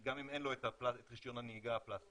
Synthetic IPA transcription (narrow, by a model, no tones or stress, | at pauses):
ɡamimenlo̞et̪aplaet̪ʁiʃjo̞naneiɡaaplas